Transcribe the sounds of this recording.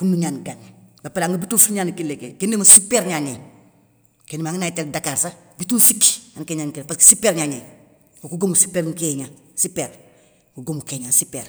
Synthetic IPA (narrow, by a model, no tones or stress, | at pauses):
kunuɲanɡanbapaɾaŋɡəbitufiɲaːnkilekekenːemasipeɾɲaɲe | kenːemaŋinaiteɾ̚dakaɾsabitunsikankeɲankipaski̥sipeɾɲaːɲeː | kokuɡomusipeːɾŋkeɲa | sipːeɾ | kuɡomukeɲansipḛɾ